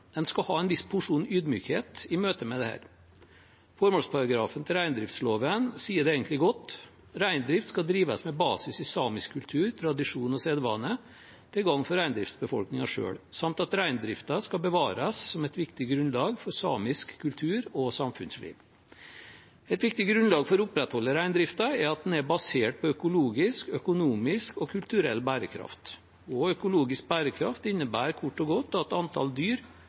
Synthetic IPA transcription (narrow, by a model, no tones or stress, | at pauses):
d̪ɛnskɑhɑːɛnʋɪspʰʊʂuːnyːd̪myːkheːt̪ɪmøːt̪əmɛd̪ɛhæ̰ːɾ | fɔɾmɔlspʰɑɾɑɡɾɑːfənt̪ʰɪlɾæɪnd̪ɾɪft̪sloːʋənsiːəɖɛeːɡənt̪lɪɡɔt̪ː | ɾæɪnd̪ɾɪft̪skɑld̪ɾiːʋɑsmɛbɑːsɪsɪsɑːmɪskʰːʉlt̪ʰʉːɾt̪ʰɾɑd̪ɪʂuːnɔseːd̪ʋɑːnːə | t̪ʰɪlɡɑŋːfɔɾæɪnd̪ɾɪft̪sbəfɔ̰lknɪŋɑʂø̰ːɽsɑmt̪ɑt̪ɾæɪnd̪ɾɪft̪ɑskɑbəʋɑːɾɑssɔmɛt̪ʋɪkt̪ɪɡɾʉnlɑːɡfɔɾsɑːmɪskʰːʉlt̪ʰʉːɾɔsɑmfʉ̰nslḭːʋ | ɛt̪ʋɪk̚t̪ɪɡɾʉnlɑːɡfɔɾʊpɾɛt̪hɔlːəɾæɪnd̪ɾɪft̪ɑɛɾɑt̪̚d̪n̩æbɑseːʈ̚pʰɔœkʊluːɡɪskœkʊnuːmɪskɔkʰʉlt̪ʉɾɛlːbæːɾəkʰɾɑ̰ft̪ | ɔœkʊluːɡɪsk̚bæːɾəkʰɾɑ̰ft̪ɪnːəbæːɾkʰʊʈːɔɡɔt̪ːɑt̪ɑnt̪ʰɑ̰ld̪yːɾ